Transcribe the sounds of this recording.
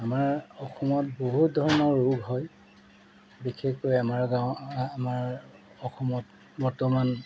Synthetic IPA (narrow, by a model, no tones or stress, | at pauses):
amaɹɔxʰɔmɔtboɦut̚dʱɔɹɔnɔɹɹːuɡʱɦɔj | bixʰekːojamaɹɡawamaɹ | ɔxʰɔmɔt | bɔɹtɔman